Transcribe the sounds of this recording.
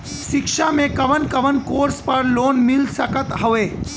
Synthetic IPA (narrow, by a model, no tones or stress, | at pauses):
ʃɪkʃamẽkɐʋənkɐʋənkoːɾspɐɾloːnmɪlsəkət̪ɦəʋeː